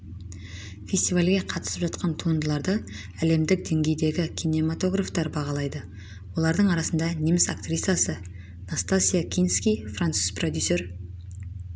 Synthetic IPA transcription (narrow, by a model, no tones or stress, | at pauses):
fʲe̞sʲt̪ivalʲɡʲe̞qʰɑt̪ə̥səpʒɑt̪qɑnt̪ʰuənd̪əlˠɑɾd̪ə | æle̞md̪ɪk̚d̪e̞ŋɡʲe̞jd̪e̞ɡʲɪkʲʰine̞mat̪o̞ɡraft̪ɑɾbɑʁɑlˠɑjd̪ə | wo̞lˠɑɾd̪əɴɑɾɑsənd̪ɑnʲijmɪsakt̪rʲit̪sasə | nast̪asʲijakʲʰijnskʲijfrant̪suzprod̪ʲjusʲe̞ɾ